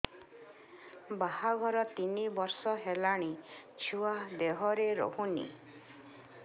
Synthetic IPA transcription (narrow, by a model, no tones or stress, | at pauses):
bahaɡʱɔɾɔt̪inibɔɾsɔɦelaɽ̃it͡ʃʰuwad̪eɦɔɾeɾɔ̰ɦunḭ